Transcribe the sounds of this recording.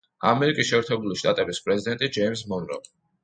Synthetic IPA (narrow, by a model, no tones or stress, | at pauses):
a̰mɛɾikʼisʃɛːɾt̪ʰɛbuliʃt̪ʼat̪ʼɛbispʼɾɛzid̪ɛnt̪ʼid͡ʒɛjmsmɔnɾɔ̰